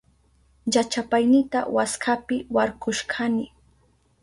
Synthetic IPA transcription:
jat͡ʃapajnɪt̪a̰waskʰapɪwaɾkʊʃkʰanɪ

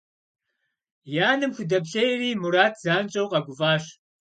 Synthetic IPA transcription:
jaːnɨmxʷʊdɐbɬɐjriːmuɾaːtʰz̥aːnt͡ʃʼɐwqʼɐɡʷʊvaːɕ

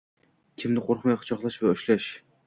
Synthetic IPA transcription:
kʲʰɪmnɪqʰoɾχmajqʰʊ̥t͡ʃʰɒqlˠaʃvaʊʃlaʃ

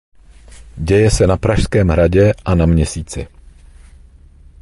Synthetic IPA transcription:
ɟɛjɛsɛnapɾaʃskɛːmɦɾaɟɛʔanamɲɛsiːt͡sɪ

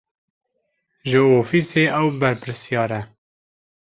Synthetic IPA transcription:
ʒəoːfiːseːʔɛwbɛɾpɪɾsjɑːɾɛ

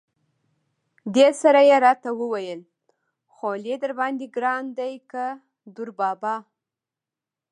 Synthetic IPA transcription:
d̪esaɾajeɾɑt̪awəwajəl | xoled̪əɾbɑnd̪iɡɾɑnd̪ajka | d̪ʊɾbɑbɑ

